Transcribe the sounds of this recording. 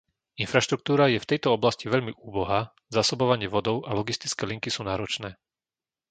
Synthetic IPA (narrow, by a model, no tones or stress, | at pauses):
infɾaʃt̪ɾuk̚t̪uːɾajɛft̪ɛjt̪ɔɔblasciʋɛʎmiʔuːbɔɦa | zaːsɔbɔʋaɲɪɛʋɔd̪ɔʊalɔɡist̪i̥t͡skɛːliŋkisuːnaːɾɔt͡ʃnɛː